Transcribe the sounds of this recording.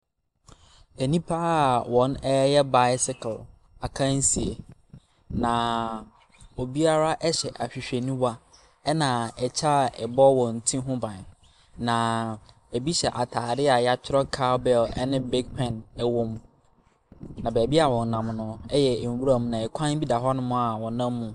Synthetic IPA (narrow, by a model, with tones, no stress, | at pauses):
æ˨nĩ˦pʰa˦˨wɔ̃˨nɛ˦jɛ˦ba˦ɪ˦sɪ˦kʰl | a˨kʰã˦n̩˦si˨e˨ | nã˨ | o˨bi˦a˦ɾa˦ʔɛ˦ɕɛ˨ʔa˨ɕᶣi˨ɕᶣe˨nĩ˦wa˦ | ɛ˦nã˨ɛ˨t͡ɕʰa˦˨ɛ˨bɔ˦wɔ̃˨n̩˨tʰĩ˦ɦʊ̃˦bã˨n˨ | nã˨ | e˨bi˦ɕɛ˨ʔa˨tʰaː˨ɾɪ˦a˨ja˦t͡ɕʰᶣɪ˦ɾɔ˦kʰa˦bɛ˦˨lɛ̰˦nɪ̃˦be˦k̚pʰɛ̃˨nɛ˨wʊ̃˦m | nã˨bæː˨bi˦a˨wɔ̃˨n˨nã˨mnʊ̃˦ɛ˦jɛ˨wu˦ɾa˨mũ˨nã˨ɛ˨kʷʰã˦n˦bi˦da˨ɦa˦nʊ̃˦mʊ̃˦a˨wɔ̃˨nã˦mːũ˨